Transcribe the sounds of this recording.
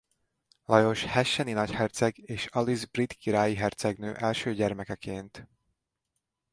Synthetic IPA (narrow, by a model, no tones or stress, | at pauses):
lɒjo̞ʃhɛʃːɛninɒchɛrt̪sɛɡeːʃɒlizbrit̪kiɾaːjiɦɛrt̪sɛɡnøːʔɛlʃøːɟɛrmɛkɛkeːnt̪